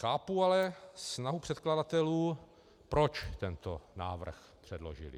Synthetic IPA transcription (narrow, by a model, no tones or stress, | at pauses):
xaːpualɛsnaɦupr̥ɛt̪kladat̪ɛluː | pɾot͡ʃt̪ɛnt̪ona̰ːvr̩x | pr̥ɛdlo̰ʒḭlḭ